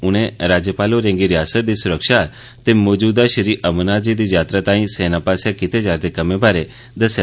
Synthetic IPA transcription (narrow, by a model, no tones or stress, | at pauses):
ʊñẽɾaːd͡ʒjəpaːloɾẽːŋɡiɾɪjaːsət̪̚d̪isʊɾəkʃa | t̪emoːd͡ʒuːd̪aʃəɾiːʔəmnad͡ʒid̪id͡ʒaːt̪ɾat̪ãːĩseːnapaːsjãkɪt̪ed͡ʒaːɾt̪ekəmebʱaːɾe | d̪əsja